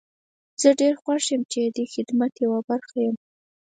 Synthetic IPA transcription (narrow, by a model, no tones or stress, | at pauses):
z̥əɖeɾxwaʂəmt͡ʃed̪əxɪd̪mat̪jawabaɾxajəm